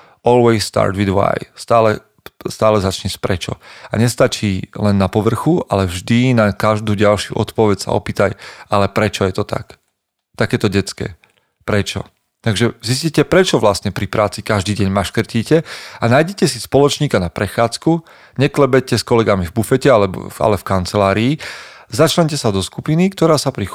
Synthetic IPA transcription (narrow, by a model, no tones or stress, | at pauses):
ɔlwɛɪsːt̪a̰ːɾt̪wid̪wa̰jst̪aːlɛ | st̪aːlɛzat͡ʃɲɛspɾɛt͡ʃɔ̰a̰ɲɛst̪at͡ʃiːlɛnːapɔʋr̩xua̰lɛvʒd̪inakaʒd̪uːɟalʃṵʔɔt̪pɔʋɛcsa̰ɔ̰piːt̪ajalɛpɾɛt͡ʃɔjɛt̪ɔt̪a̰k | t̪akɛːt̪ɔɟɛt͡skɛ̰ː | pɾɛt͡ʃɔ̰ | t̪aɡʒɛzis̬cicɛpɾɛt͡ʃɔʋlasɲɛpɾipɾʔaːt͡sikaʒd̪iːɟɛɲmaʃkr̩ciːcɛanaːjɟɛcɛsispɔlɔt͡ʃɲiːkanapɾɛxaːt͡sku | ɲɛklɛbɛcɛskɔlɛɡamivbufɛcɛalɛbɔ̰a̰lɛfkant͡sɛlaːɾiːzat͡ʃlɛɲcɛsad̪ɔskupinikt̪ɔɾaːsapɾi